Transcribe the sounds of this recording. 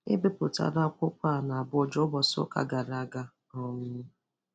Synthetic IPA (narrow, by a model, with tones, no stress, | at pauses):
ɪ̰˦be˦pʊ˨ta̰˨ɾa˦kʷʊ˦kʷa˦˨na˨a˨bɔ˦d͡ʒɔ˦bɔ˨sʊ̰˦ka̰˨ɡa˨ɾa˨ɡa˦ | ɔ˨ŋʊ˦